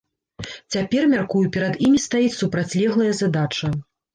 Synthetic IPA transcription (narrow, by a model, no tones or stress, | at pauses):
t͡sʲapʲɛrmʲarkujupʲɛɾɐd̪imʲist̪ajit͡sʲsupɾat͡sʲlʲɛɣlˠɐjɐzad̪at͡ʂɐ